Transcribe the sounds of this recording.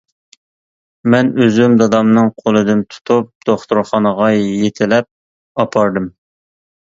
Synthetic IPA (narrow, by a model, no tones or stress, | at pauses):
mɛnøzymd̪ɑd̪ɑmnɨŋqʰolˠɨd̪ɨmt̪ʰu̥t̪ʰup̚d̪̥oχt̪uɾχɑnəʁɑjet̪ʰɪlɛp̚ | ɑpʰɑɾd̪ɨm